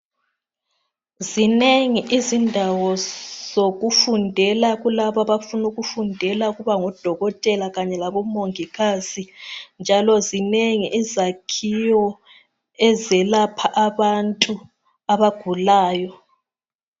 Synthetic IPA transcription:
zineŋiʔizindʱawɔz̥oɣufundʱɛlaɣulaβaβafunuɣufundʱɛlauɣuβaŋɔd̥ʱɔɣɔtʼɛlaɣaɲɛlaβɔmoŋikʰasind͡ʒʱalɔzineŋiʔizakʰijɔ | ɛzɛlapʰaʔaβantʼu | aβaɡ̥ʱulaːjɔ

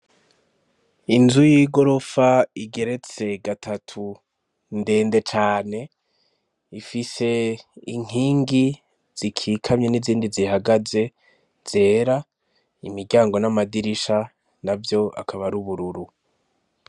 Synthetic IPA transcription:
inzujiɡo̞ɾo̞faiɡe̞ɾe̞t͡se̞ɡatʰatʰu | nde̞ːnde̞t͡ʃaːne̞ | ifise̞iŋ̥hiːŋɡi | z̥ikʰiːkʰamɲe̞niziːndizihaɡaze̞ | z̥e̞ːɾa | imiɡɟaːŋɡo̞namadiɾiʃa | navjo̞a̰kʰaβaɾuβuɾuɾu

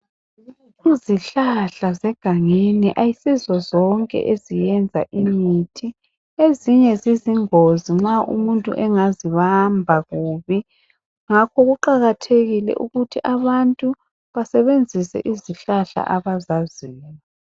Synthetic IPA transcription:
iziɬaɬazɛɡ̥ʱaŋeniʔajisizɔzɔŋkʼɛ̰ʔezijɛnd͡zʱa̰ʔimitʰi | eziɲɛziziŋoziŋ͡ǁaʔṵmuntʼṵʔɛŋaziβambʱaɣuːβi | ŋakʰɔɣuǃaɣatʰeɣilɛ̰ʔuɣutʰiʔaβantʼu | βasɛβend͡zʱisɛ̰ʔiziɬaɬa̰ʔaβazaziːni

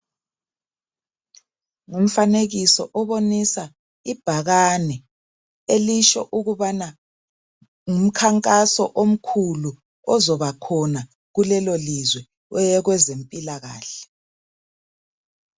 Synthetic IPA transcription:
ŋum̩faneɣisɔʔɔβonisa | ib̥ʱaɣanɛ | eliʃɔʔuɣuβana | ŋum̩kʰaŋkʼasɔʔom̩kʰulu | ɔzɔβakʰɔna | ɣulɛlolizwɛ | wɛjɛɣwɛzempʼilaɣa̰ːɬɛ

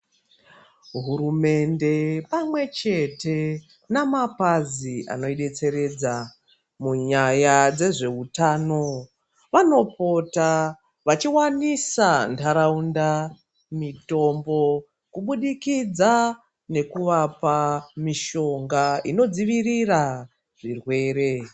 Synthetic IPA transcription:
ɦuɾume̞nde̞pamwe̞t͡ʃe̞te̞ | namapaziʔa̰no̞iɗe̞t͡se̞ɾe̞d͡za | muɲajad͡ze̞ʐe̞utaːno̞ | ʋano̞po̞ta | ʋat͡ʃiwanisandʰʱaɾaunda | mito̞mbo̞ | kuɓuɗikid͡za | ne̞kuʋapamiʃo̞ŋɡaino̞d͡ziʋirira | ʐ̥irwe̞ːɾe̞

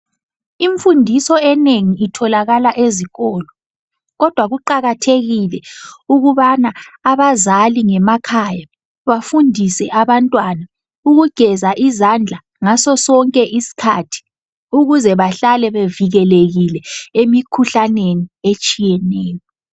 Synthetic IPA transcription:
iɱfundʱisɔɛneŋiitʰɔlaɣalaʔeziɣɔːlɔ | ɣɔd̥ʱwaɣuǃaɣatʰeɣilɛuɣuβanaaβazaliŋɛmakʰaːja | βafundʱisɛʔaβantʼwana | uɣuɡ̥ʱɛzaʔizand͡ɮʱa | ŋasɔsɔŋkʼɛʔisi̥kʰatʰi̥ | uɣuzɛβaɬalɛβeviɣɛleɣilɛemikʰuɬaneniet͡ʃʼijɛneːjɔ

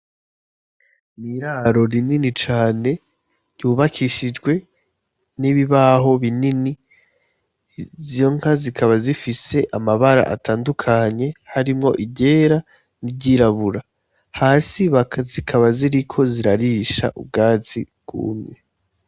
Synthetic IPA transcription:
niɾaːɾo̞ɾininit͡ʃaːne̞ | juːβakʰiʃid͡ʒɡwe̞ | niβiβaɦo̞βinini | zjo̞ŋ̥hazikʰaβazifise̞ʔamaβaɾa̰ʔa̰tʰaːndukʰaɲe̞haɾimŋo̞̰ʔiɟe̞ːɾa | nibɟiɾaβuɾa | haːsiβazikʰaβaziɾikʰo̞ziɾaɾiːʃa̰ʔṵb̚ɡaːzi | ɡ̥ṵːmɲe

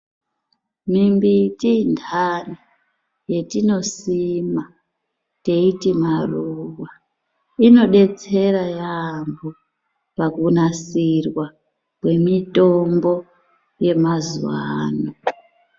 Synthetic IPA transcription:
mimbitindʱani | je̞tino̞sima | te̞itimaruwwa | ino̞ɗe̞t͡se̞ɾajambo | pakunasirwa | kwe̞mito̞mbo̞ | je̞mazuwaːno

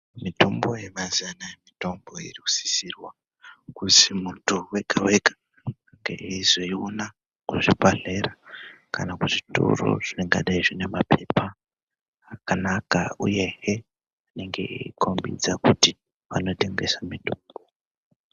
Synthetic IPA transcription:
mitʰombo̞jemazianajemito̞mbo̞ḭriku̥si̥sirwa | kusimutuwe̞kʰawekḁ | ŋɡḛʔizeiuna | kuʐibʱaɮe̞ra | kanakuʐito̰ro̰ʐ̥ine̞ŋɡa̰ɗaiʐine̞mapʰe̞paː | kanakauje̞he | ane̞ŋɡe̞̰iikʰombḭd͡zakuti | ʋano̞te̞ŋɡe̞samitʰoːmbo

